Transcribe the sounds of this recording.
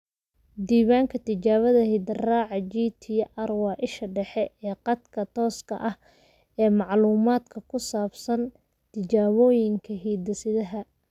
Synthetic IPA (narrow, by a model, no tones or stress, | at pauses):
d̪iːβaːŋkʰɐt̪ʰɪt͡ʃaːβɐðɐhɪd̪raːʕɑt͡ʃiːt̪ʰiːʔɐrwɑʔɪʃɐɖɛħɛʔɛːqɑd̪kʰɐt̪ʰɔːskʰɐ̰ʔɐh | ɛːmɑʕluːmaːd̪kʰɐkʰʊsaːbsɐn | t̪ʰɪt͡ʃaːβɔːjɪŋkʰɐɦiːd̪ɐsɪðɐɦɐ